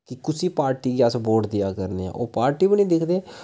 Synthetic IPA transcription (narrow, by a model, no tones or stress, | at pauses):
kɪkʊsiːpaːɾʈiːɡiasboːʈd̪ɪjaːkəɾnḛːã̰ʔoːpaːɾʈiːbəniːd̪ɪkʰd̪eː